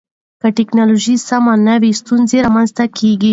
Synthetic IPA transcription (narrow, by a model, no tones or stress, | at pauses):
kəʈɪknɑloʒisamanəwest̪unzeɾamanzt̪akʰeɡi